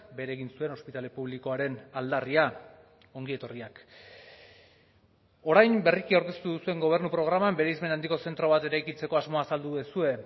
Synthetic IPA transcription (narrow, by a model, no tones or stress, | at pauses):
be̞ɾeɣ̞insue̞no̞spit̪ale̞puβliko̞aɾe̞nald̪aria | o̞ŋɡie̞t̪o̞riak | o̞ɾajnbe̞rikiawɾke̞st̪uðusue̞ŋɡo̞β̞e̞rnupɾo̞ɣ̞ɾamambe̞ɾeizme̞nand̪iko̞se̞nt̪ɾo̞βat̪e̞ɾajkit͡se̞ko̞azmo̞aːsald̪uðesue̞